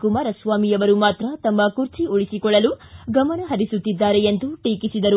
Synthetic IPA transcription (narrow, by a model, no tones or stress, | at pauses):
kumaːɾɐsʋaːmijɐʋɐɾumaːt̪ɾɐt̪ɐmːɐkuɾt͡ʃiuɭisikɔɭːɐluɡɐmɐnɐɦɐɾisut̪ːid̪ːaːɾeend̪uʈiːkisid̪ɐɾu